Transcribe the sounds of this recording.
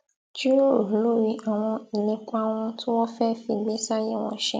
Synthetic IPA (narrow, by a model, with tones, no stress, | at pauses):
d͡ʒi˦ɾo˦o˨˦lo˦˨ɾi˧ʔa˨w̃ɔ̃˧i˨lĩ˧k͡pa˦w̃ɔ̃˧tũ˦wɔ̃˦fɛ˦fĩ˧˨ɡ͡bẽ˦sa˦je˦˨w̃ɔ̰̃˧ʃɛ̰˧˨